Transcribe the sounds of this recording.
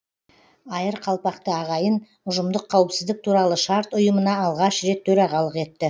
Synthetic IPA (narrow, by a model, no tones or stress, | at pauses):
ɑjəɾqʰɑlˠpɑqt̪əɑʁɑjən | ʊʒəmd̪əqʰːɑwəpsɪzd̪ɪk̚t̪ʰuɾɑlˠəʃɑɾt̪ʊjəmənɑːlˠʁɑʃɾe̞t̪ʰːɵɾɑʁɑlˠəqe̞t̪ːɪ